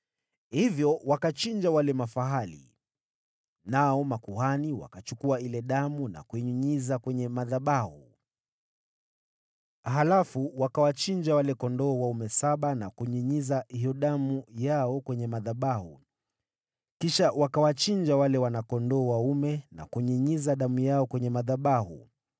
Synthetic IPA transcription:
hivjɔwakat͡ʃind͡ʒawalɛmafaɦalḭ | naɔmakuhaniwa̰kat͡ʃukuailɛɗamuna̰kuiɲuɲizakwɛɲɛmaðaɓahu | ɦalafuwakawat͡ʃind͡ʒawalɛkɔndɔːwaumɛsaɓanakuɲiɲizahijɔɗamujaɔkwɛɲɛmaðaɓahu | kiʃawakawat͡ʃind͡ʒawalɛwanakɔndɔːwaumɛna̰kuɲiɲizaɗamujaɔkwɛɲɛmaðaɓahṵ

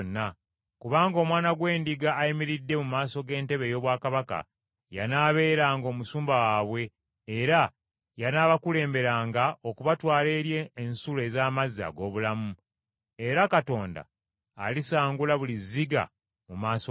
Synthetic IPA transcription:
nːa | kuβaːŋɡo̞ːmwaːnaɡwe̞ːndiɡaːjimiɾidːe̞mumaːso̞ɡe̞ːnte̞βe̞ːjo̞ːβwaːkaβaka̰ | ja̰naːβe̞ːɾaːŋɡo̞ːmusuːmbawaːβwe̞ː | ɾa | janaːβakule̞ːmbe̞ɾaːŋɡao̞kuβatwaːleɾjeːnsule̞ːzaːmaza̰ɡo̞ːβulamu | e̞ɾakato̞ːnda̰ː | lisaːŋɡulaβuliziɡa̰ | mumaːso

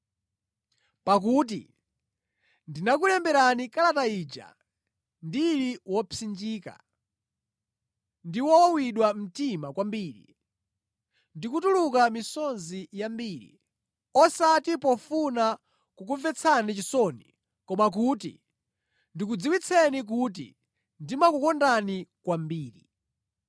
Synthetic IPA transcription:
pak̬uːt̬ḭ | ndinak̬ulɛmbɛɾanikalataiːd͡ʒa̰ | ndiɾiwɔpʰind͡ʒiːka̰ | ndiwɔwiɗwam̩timakwambiːɾḭ | ndikutulukamisɔnzijambiːɾḭ | ɔsatipɔfuna | kukuvɛt͡sʰanit͡ʃisɔnḭ | kɔmak̬uːtḭ | ndik̬ud͡ziwit͡sʰɛnik̬ut̬ḭ | ndimakukɔndanikwambiːɾi

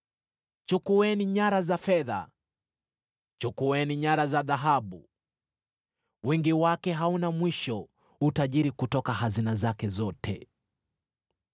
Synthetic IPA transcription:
t͡ʃukuwɛniɲaɾazafɛða̰ | t͡ʃukuwɛniɲaɾazaðaɦaɓu | wɛŋɡiwakɛɦaunamwiʃɔ | utaʄiɾikutɔkahazinazakɛzɔtʰɛ̰

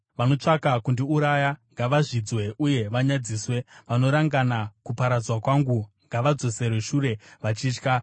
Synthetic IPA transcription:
ʋano̞t͡ʂakakundiuɾajaŋɡaʋaʐid͡zwe̞ʔuje̞ʋaɲad͡ziːswe̞ʋano̞ɾaŋɡanakupaɾad͡zwakwaŋɡuŋɡaʋad͡zo̞se̞rweʂuɾe̞ʋat͡ʃiːt͡ʃka

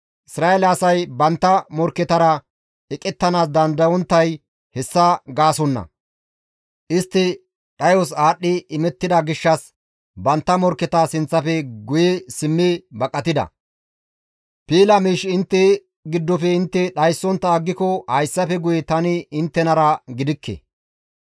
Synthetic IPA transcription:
ʔɪsɾaːelɐsɐjbɐnt̪ːɐmɔɾkːɛt̪ɐɾɐ | ɛkʼːɛt̪ːɐnaːsd̪ɐnd̪ɐwɔnt̪ːɐj | hɛsːɐɡaːsɔnːɐ̰ | ʔɪst̪ːɪ | ɗɐjɔsaːɗːɪɪmɛt̪ːɪd̪ɐɡɪʃːɐs | bɐnt̪ːɐmɔɾkːɛt̪asɪnt͡sːɐpɛɡʊjɛsɪmːɪbɐkʼːɐt̪ɪd̪ɐ̰ | piːlɐmiːʃɪnt̪ːɛ | ɡɪd̪ːɔfɛɪnt̪ːɛɗɐjsːɔnt̪ːɐːɡːɪkɔhɐjsːɐpɛɡʊjɛt̪ɐnɪɪnt̪ːɛnɐɾɐɡɪd̪ɪkːɛ̰

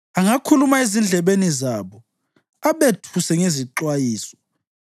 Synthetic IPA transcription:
aŋakʰulumaezind͡ɮʱɛβenizaβɔ | aβetʰusɛŋeziǁwajiːsɔ̥

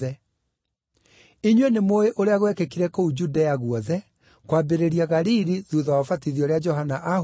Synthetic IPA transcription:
ɛ | iɲwenemoeʔoɾeaɣwɛkekiɾɛkoud͡ʒudaaɣuɔðɛ | kwabeɾeɾiaɣaɾiɾiðuðawɔfatiðiɔɾead͡ʒɔɦanaʔa

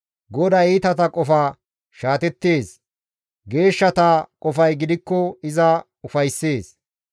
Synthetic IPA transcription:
ɡɔd̪ɐiːt̪ɐt̪ɐkʼɔfaː | ʃaːt̪ɛt̪ːe̞ːs | ɡe̞ːʃːɐt̪ɐkʼɔfɐjɡɪd̪ɪkːɔɪzɐ | ʊfɐjsːe̞ːs

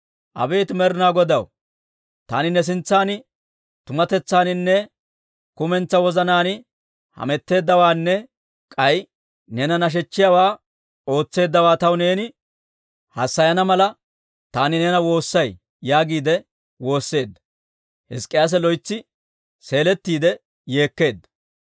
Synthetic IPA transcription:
ʔɐ̰be̞ːt̪ɪmɛɾɪnaːɡɔd̪ɐw | t̪a̰ːnɪnɛs̬ɪnt͡sːaːnɪ | t̪ʊmɐt̪ɛt͡sːaːnɪnːɛ | kʊmɛnt͡sːɐwɔzɐnaːnɪ | hɐ̰mɛt̪ːe̞ːd̪ːɐwaːnːɛ | kʼɐj | nɛnɐnɐʃ̬ɛt͡ʃːɪjawaː | o̞ːt͡sːe̞ːd̪ːɐwaːt̪ɐwne̞ːnɪ | hɐsːɐjɐnɐmɐlɐ | t̪aːnɪneːnɐwo̞ːsːɐj | jaːɡiːd̪ɛ | wo̞ːsːe̞ːd̪ːɐ̥ | hɪskʼːɪjaːs̬ɛlɔjt͡sːɪ | se̞ːlɛt̪ːiːd̪ɛ | je̞ːkːe̞ːd̪ːɐ̥

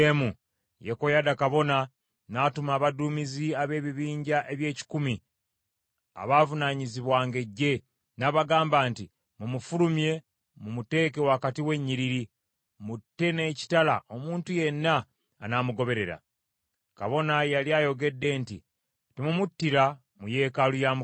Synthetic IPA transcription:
emu | jeko̞jadakaβo̞na | naːtumaːβaduːmiziaβe̞ːβiβiːɲɟaʔe̞βje̞ːci̥kumi | a̰βaːvunaɲiziβwaːŋɡe̞ɟːe̞ | naːβaɡaːmbaːnti | mumufulumje̞ | mumute̞ːke̞wakatiwe̞ɲːiɾiɾi | mutːe̞ne̞ːci̥tala̰ʔo̞muːntuje̞nːaː | namuɡo̞βe̞ɾe̞ɾa̰ | ka̰βo̞najaliajo̞ɡe̞dːe̞ːntḭ | temumutːiɾa | muje̞ːkalujamu

